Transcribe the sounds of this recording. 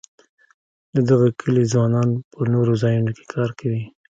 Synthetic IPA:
d̪əd̪aɣakʰəlizwɑnɑnpənoɾozɑjunokʰe̥kʰɑɾkʰawi

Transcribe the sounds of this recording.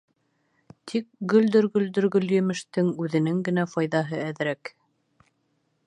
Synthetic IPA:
t̪ʰik̚ɡɵ̆ld̪ɵ̆ɾɡɵ̆ld̪ɵ̆ɾɡɵljɘ̆mɘ̆ʃt̪ɘŋʉðɘ̆nɘŋɡɘ̆næfɑjðɑɦɤæðɾæk

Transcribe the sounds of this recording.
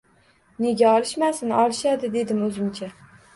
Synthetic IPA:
ne̞ɡʲaɒlˠɪʃmasɪnɒlˠɪʃad̪ɪd̪e̞d̪ɪmɵzɪmt͡ʃʰa

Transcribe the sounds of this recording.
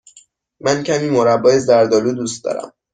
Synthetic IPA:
mæncʰæmiːmoɾæbːɒːjezæɾd̪ɒːluːd̪uːst̪̚d̪ɒ̰ːɾæ̰m

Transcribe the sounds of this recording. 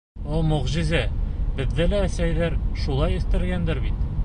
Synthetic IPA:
omɵ̆ʁʑizæbɘ̆ðːɘlæːsæjlæɾʃulˠɑjɵ̆θt̪ɘ̆ɾɡænd̪ɘɾbit̪

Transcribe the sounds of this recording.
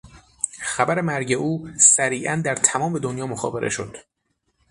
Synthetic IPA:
xæbæɾe̞mæɾɟeʔuːsæɾiːʔænd̪æɾt̪ʰæmɒːmbe̞d̪onjɒːmoxɒ̰ːbe̞ɾʔe̞̰ʃo̞d̪̥

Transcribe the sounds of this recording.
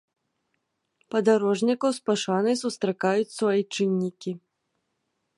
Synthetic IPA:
pɐd̪aɾɔʐnʲikɐwspaʂanɐjsust̪ɾakajut͡sʲsvajit͡ʂɨnʲːikʲi

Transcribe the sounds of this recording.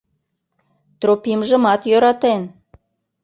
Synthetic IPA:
t̪ropimʒə̆mɑt̪jøɾɑt̪en

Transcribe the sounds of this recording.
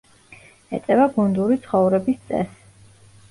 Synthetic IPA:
ɛ̰t̪sʼɛvaɡund̪uɾit̪sʰχɔvɾɛbist̪sʼɛ̰s

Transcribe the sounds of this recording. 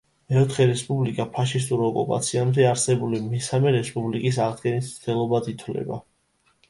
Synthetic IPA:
ɛɔt̪ʰχɛɾɛspʼublikʼapʰaʃist̪ʼuɾɔkʼṵpʼa̰t̪sʰiamd̪ɛaɾsɛbulimɛsamɛɾɛspʼublikʼis̬aʁd̪ɡɛnissd̪ɛlˠɔbad̪it̪ʰwlɛ̰ba̰

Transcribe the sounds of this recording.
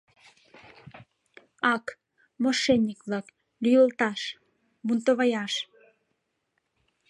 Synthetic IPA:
ɑk | moʃenʲːikβlɑk | lyjəlt̪ɑʃ | βunt̪oβɑjɑʃ

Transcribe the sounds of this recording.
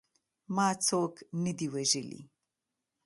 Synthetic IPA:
mɑːt͡soknəd̪iweʒəlḭ

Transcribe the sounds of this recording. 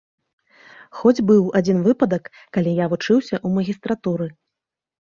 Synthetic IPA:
xɔd͡zʲbɨwad͡zʲinvɨpɐd̪ɐkːalʲijavut͡ʂɨwsʲɐʔumɐɣʲist̪ɾat̪uɾɨ

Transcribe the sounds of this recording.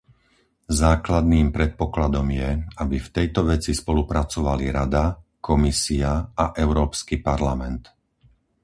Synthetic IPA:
zaːklad̪̚niːmpɾɛt̪̚pɔklad̪ɔmjɛabift̪ɛjt̪ɔʋɛt͡sispɔlupɾat͡sɔʋaliɾad̪akɔmisiaaʔɛʊɾɔːpskipaɾlamɛnt̪

